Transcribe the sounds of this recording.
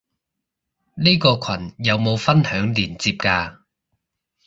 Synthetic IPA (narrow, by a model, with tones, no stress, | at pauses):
niː˥kɔː˧kʷʰɐ˨˩njɐ˨˧wmo˨˧wfɐ˥nhœː˨˥ŋliː˨˩nt͡siː˧p̚kaː˧